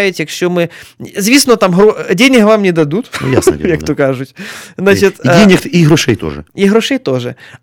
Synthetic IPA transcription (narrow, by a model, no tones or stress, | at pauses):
jʊtʲjɐkɕʲomɪzʋʲisnɔt̪amɦɾodʲenʲɪɦʋamnʲɪd̪ɐd̪ut̪n̰ja̰sjɐkt̪okaʐʊtʲznat͡ʃɪt̪dʲenʲɪkiɦɾʊʂɛjt̪o̰ʐɨ̰iɦɾʊʂɛjt̪oʐɨ